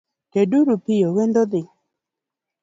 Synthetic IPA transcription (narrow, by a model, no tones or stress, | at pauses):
keduɾupɪjowend̪ɔd̪ɪ